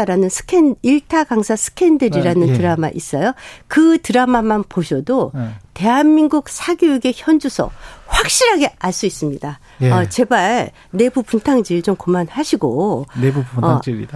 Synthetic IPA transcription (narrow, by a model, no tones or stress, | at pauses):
ɾanɯnsʰɯ̥kʰeniɭtʰaɡaŋsʰasʰɯ̥kʰendɯɾiɾanɯntɯɾama̰ʔis͈ʌjokɯtɯɾamamanpoɕʰʌdote̞ɦanmiŋɡuk̚sʰaɡjoeɡe̞çjʌnd͡ʑusʰʌ̰ɸwak̚ɕ͈iɾɦaɡe̞aɭs͈uis͈ɯmɲida | ʌt͡ɕe̞baɭ | ne̞bupuntʰaŋd͡ʑiɯɭt͡ɕomkomanhaɕʰiɡoeu